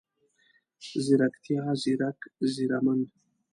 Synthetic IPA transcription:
ziɾakt̪ʰiaziɾakziɾamənd

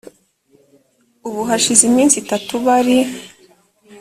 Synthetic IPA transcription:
uβuɦaʃizimiːnsitatuβaɾi

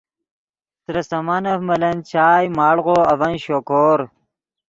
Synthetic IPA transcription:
t̪ɾɐsɐmanɐfmɐlɐnt͡ɕʰaːjmaːɽʁoːɐvɐnɕoːkoːɾ

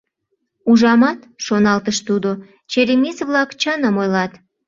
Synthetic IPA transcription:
uʒɑmɑt̪ʃonɑlt̪əʃt̪ud̪o | t͡ɕeɾemisβlɑkt͡ɕənəmojlɑt̪

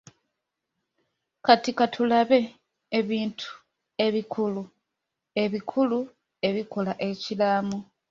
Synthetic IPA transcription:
katikatʰulaβe̞ː | βiːntʰu̥ | e̞βikʰulu | e̞βikʰulu | e̞βiko̞laʔe̞cilamu

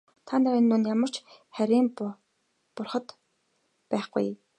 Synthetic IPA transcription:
t̪ʰaniinunjamə̆r̥t͡ɕχæɾʲiːm | pʊrχə̆t̪ | pæːχɡṵj

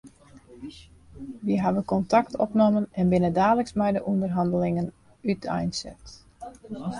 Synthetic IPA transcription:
ʋiəɦaʋəkɔntʰaktʰɔpnomənɛnbɪnədaːləksmɛjdəʔundərɦɑndəlɪŋən | ytɛ̰jnsɛ̰t

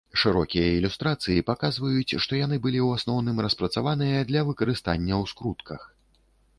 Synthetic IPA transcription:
ʂɨɾɔkʲijɐilʲust̪ɾat̪sɨjipakazvɐjut͡sʲʂt̪ɔjanɨbɨlʲiwasnɔwnɨmɾɐspɾɐt̪savan̪ɨjɐd̪lʲɐvɨkɐɾɨst̪anʲːɐwskɾut̪kʰɐx

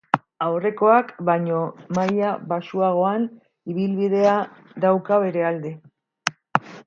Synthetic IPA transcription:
awre̞ko̞akbaɲo̞majaβasuaɣ̞o̞an | iβilβiðe̞a | ðawkaβe̞ɾe̞ald̪e

